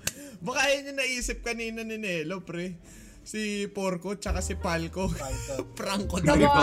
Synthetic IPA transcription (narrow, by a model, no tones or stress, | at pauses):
bɐkaʔjɐɲːɐnɐʔiːsɪp̚kɐniːnɐnɪnɛːlopɾɛ | sɪpoɾkot͡ʃɐkasɪpalkopɾɐŋkod̪